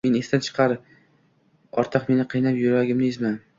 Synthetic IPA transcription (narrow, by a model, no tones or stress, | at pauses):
me̞nest̪ant͡ʃʰɨ̥qʰɑɾ | ɒɾt̪ʰɨqme̞nɪqʰɨjnapjʊɾaɡʲɪmnɪzman